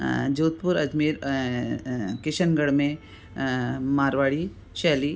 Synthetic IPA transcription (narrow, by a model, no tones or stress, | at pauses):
d͡ʒoːt̪̚pʊɾɐd͡ʒmiːɾ | kɪʃənɡəɽmẽ | maːɾʋaːɽi | ʃɛːli